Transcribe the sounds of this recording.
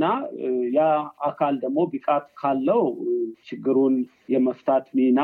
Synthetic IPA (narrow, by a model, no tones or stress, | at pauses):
ajaakʰald̪əɡmo̞bɨkʼat̪kʰalːəhwt͡ʃʰɪɡːɨɾun | jɛməft̪ʰat̪mina